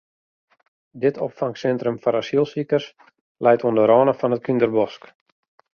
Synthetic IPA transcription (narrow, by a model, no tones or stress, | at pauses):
dɪtʰo̰pfaŋsɛntrəmfɔnasilˠsikərs | lɛjtʰondəɾɔːnəfɔnət̚kʰindərbɔsk